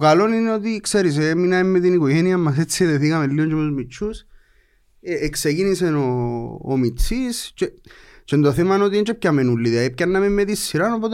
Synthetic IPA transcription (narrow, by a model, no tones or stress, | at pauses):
okaloninot̪ikseɾis̬emːinaemːet̪inikoʝeniamːas̬et͡sːieðeθikamelːiont͡ʃemozmit͡ʃːus | eːksekiniseno̰ːmit͡sːist͡ʃet͡ʃend̪oθemanot̪ient͡ʃep̚camenulːiðaip̚kanːamemːet̪isːiɾanopot̪